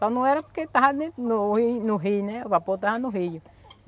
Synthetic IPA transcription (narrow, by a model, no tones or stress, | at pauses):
k̪anũeɾaket̪aɦaninuinuɦineβapot̪ahanuɦiju